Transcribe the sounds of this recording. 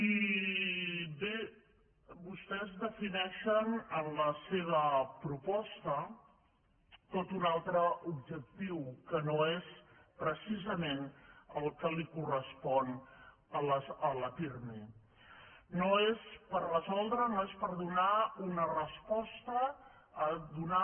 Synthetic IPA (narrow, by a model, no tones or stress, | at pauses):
i | be | βust̪ɛzðəfinɛʃənənləseβ̞əpɾupɔst̪ə | t̪ot̪unalˠt̪ɾəubʒək̚t̪iwkənoespɾəsizəmenəlˠkəlikurəspɔn | ələələfirmi | noespərrəzɔlˠd̪ɾənoespəɾðunaunərəspɔst̪əː | d̪una